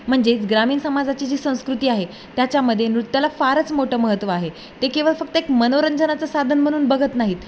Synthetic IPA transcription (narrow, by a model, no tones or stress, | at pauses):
m̤əɳd͡zeit͡sɡɾamiːnsəmad͡zat͡ɕiːd͡ʑiːsə̃w̃skɾut̪iːaɦe | t̪jat͡ɕjaməd̪ʱːjenɾut̪jalafaɾət͡smoʈəːməɦət̪ːʋəaɦe | t̪ekeʋəɭfək̚t̪əekmənoɾəɲd͡ʑənat͡səsad̪ʱənm̤əɽ̃uːnbəɡʱət̪naɦiːt̪